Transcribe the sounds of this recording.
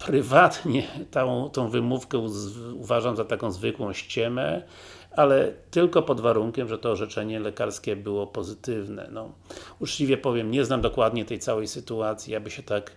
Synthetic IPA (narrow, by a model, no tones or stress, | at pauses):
pɾɘvat̪ɲɛt̪ãt̪ɔ̃w̃vɘmufkɛuuvaʐamzat̪akɔ̃w̃zvɘkwɔ̃w̃ɕt͡ɕɛmɛ | alɛt̪ɘlkɔpɔd̪vaɾuŋkʲɛmʐɛt̪ɔːʐɛt͡ʂɛɲɛlɛkaɾskʲɛbɘwɔpɔzɘt̪ɘvnɛ̰nɔut͡ʂt͡ɕivʲjɛpɔvʲjɛmɲɛznamd̪ɔkwad̪ɲɛt̪ɛjtsawɛjsɘt̪uat̪sʲjiabɘɕɛt̪ak